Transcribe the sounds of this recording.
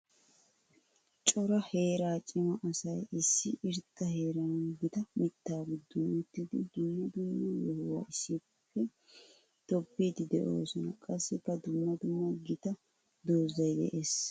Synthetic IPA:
t͡ʃʼɔɾɐhe̞ːɾaːt͡ʃʼɪmɐʔɐsɐjɪsːɪ̰ʔɪɾt̪ːɐhe̞ːɾɐnɐɡɪt̪ɐmɪt̪ːaːɡʊd̪ːʊʊt̪ːɪd̪ɪd̪ʊmːɐd̪ʊmːɐwɔhwa̰ʔɪsːɪ | pːɛ | t̪ɔpːiːd̪ɪd̪ɛʔo̰ːsɔnɐkʼɐsːɪkːɐd̪ʊmːɐd̪ʊmːɐɡɪt̪ɐ | d̪oːzɐjd̪ɛ̰ʔeːs

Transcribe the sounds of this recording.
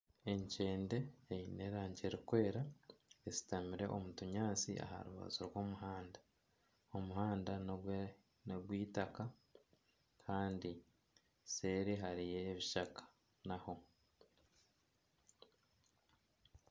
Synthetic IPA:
e̞ɲce̞ːnde̞ːjine̞ːɾaːɲɟeɾikwe̞ːɾaezi̥tamiɾe̞ʔo̞mutuɲaːt͡sḭʔa̰ha̰ɾuβa̰zoɾwo̞ːmuɦaːnda | omuɦaːnda | noɡwiːtaka | kʰaːndi | se̞ːɾiɦaɾije̞ːβiʃakḁ | naho̞

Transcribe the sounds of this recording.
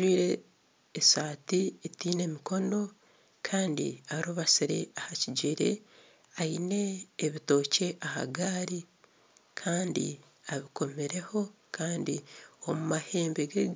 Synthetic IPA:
iːɾe̞ː | saːtietiːne̞miko̞no̞ | kʰaːndḭaɾuβasiɾe̞̰ahaciɟiɾe̞̰ | aine̞ːβito̞ːce̞ʔaha̰ɡaːɾi | kʰaːndḭ | aβiko̞miɾe̞ho̞ | kʰaːndiomumahe̞ːmbeɡe

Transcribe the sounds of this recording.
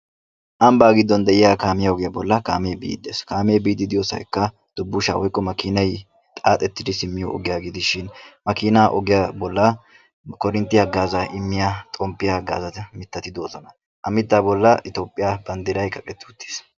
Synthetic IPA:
ʔɐmbaːɡɪd̪ːɔnd̪ɛʔɪjaːkaːmɪjɐɔɡɪjɐbɔlːɐkaːmeːbḭːd̪ːḛːskaːmeːbiːd̪ɪd̪ɪjosɐ̰jkːɐ | d̪̥ʊbːʊʃa̰ːwɔjkʼːɔmɐkɪnɐj | t̪ʼaːt̪ʼɛt̪ːɪd̪ɪsɪmːɪjɔɔ̰ɡɪjaːɡɪd̪ɪʃɪnmɐkɪnaʔɔɡɪjabɔlːɐ | kɔɾɪnt̪ːɪɐɡaːzɐʔɪmːɪjat̪ʼɔmpːɪjɐɡa̰ːzɐt̪mɪt̪ːɐt̪ɪd̪o̞ːzɔnɐ | ʔɐmɪt̪ːaːbɔlːɐʔɪt̪oːpʼːɪjabɐnd̪ɪɾɐjkʼɐkʼɛt̪ːɪʊt̪ːe̥ːs

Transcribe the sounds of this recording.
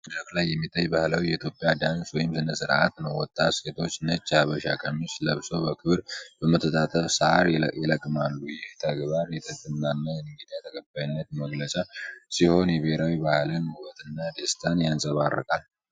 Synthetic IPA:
dəklajːɛmːit̪ʰʼːajbahləwjɛit̪ʰjo̞pʼːjad̪answɔjɪmsɨnəsɨɾʔa̰t̪nəwwɔt̪ʼːat̪set̪ʰo̞t͡ʃːnət͡ʃːaβəʃakʼʰəmːisləβsobəkʰɨβɾb̥əmət̪ʰːət̪ʼat̪ʼəfsəaɾjɛləkʼːɨmalːujɛht̪ʰəɡbaɾjɛt̪ʰʼəɡʼɨmnanːajɛnɨŋɡɨd̪ijt̪ʰəkʼʰəbːajnːət̪̚məɡlət͡ʃʼasiho̞njɛβeɾawibahlɨnhuwət̪ʰʼɨnːad̪est̪ʰanjansʼəβarːə̰kʼal

